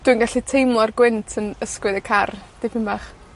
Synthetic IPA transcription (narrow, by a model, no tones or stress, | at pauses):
d̥wuinɡaɬitʰejmlˠɔrɡwɪntʰənəskwɨðəkʰard̥ɪpʰɪmbaχ